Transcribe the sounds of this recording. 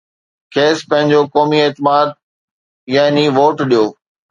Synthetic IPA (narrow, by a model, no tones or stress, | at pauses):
kʰeːspɐ̃ɦɪ̃ɲd͡ʑokɔːmieːt̪ɪmaːd̪̚ | jaːɦniʋoːʈɗijoː